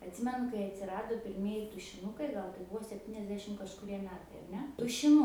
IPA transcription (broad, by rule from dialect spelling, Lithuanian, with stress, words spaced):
ɐtʲˈsʲɪmʲɛnʊ kɐɪ ɐtʲsʲɪˈrɑːdoː pʲɪrʲˈmʲiɛjɪ tʊʃʲɪˈnʊkɐɪ ˈɡɐlˠ tɐɪ ˈbʊʋoː sʲɛpʲˈtʲiːnʲɛzʲdʲɛʃʲɪm kɐʃkʊˈrʲiɛ ˈmʲæːtɐɪ ɐr ˈnʲɛ tʊʃʲɪˈnʊ